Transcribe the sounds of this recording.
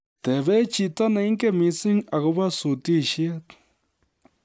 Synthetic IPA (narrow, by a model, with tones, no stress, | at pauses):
t̪ɛ˨βɛ˦t͡ʃi˨ta˦na˨i˦ŋ˦kʼɛ˦mi˨si˦ŋa˨ɣu˦βa˦su˨ti˦˨ʃɛ˦t